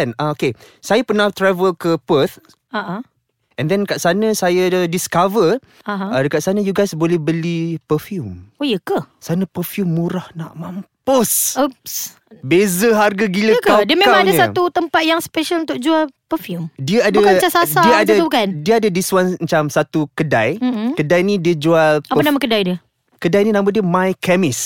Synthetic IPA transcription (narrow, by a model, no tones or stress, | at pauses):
ɛnaoke | sajapənaht̪ɾɛvəlkəpət̪̚ | aʔa | ʔɛ̃ndɛnkaʔsanə̃sajədiskavər | aɦãadəkaʔsanəjuɡajsbolɛhbəlipəfjumojəkəsanəpəfjumːuɾahna̰ʔmampos | bezəɦarɡaɡiləkadiəmẽamaŋadaɲsat̪ut̪əmpat̪̚jaŋspɛʃalunt̪ʊk̚d͡ʒualpəfjumdiəabduakat͡ʃasasaiəadt̪ukandiəadədiswanmət͡ʃamsat̪ukədajm̩kədajnĩdiəd͡ʒualpapanamakədajdiə | kədajnĩnãmbədiəmãjkʰɛmɪs